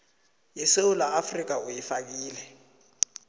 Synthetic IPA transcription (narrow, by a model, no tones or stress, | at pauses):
jɛseulaafrik̬ʼaujifak̬iːlɛ